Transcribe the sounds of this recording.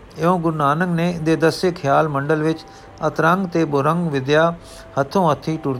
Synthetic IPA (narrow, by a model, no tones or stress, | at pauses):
ɪõːɡʊɾnaːnəŋɡneːd̪eːd̪əsekʰjaːlməɳɖəlʋɪt͡ʃ | ət̪ɾə̃ŋɡt̪eːbʊɾə̃ŋɡʋɪd̪jaː | hət̪ʰːõːət̪ʰːiːʈʊɾ